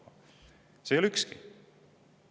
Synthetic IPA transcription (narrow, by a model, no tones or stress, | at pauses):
sejolykski